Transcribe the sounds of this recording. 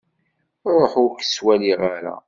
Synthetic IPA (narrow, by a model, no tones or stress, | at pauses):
ɾˤoħʊɾkswæliʁaɾa̰